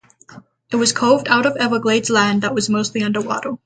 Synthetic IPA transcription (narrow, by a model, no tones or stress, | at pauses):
ɨt̚wʌz̥kʰoʊvdaʊɾʌvɛvəɡleɪdz̥læ̃nðəʔ̚wʌzmoʊstˡliʌ̃ndə˞wɑ̰ɾə˞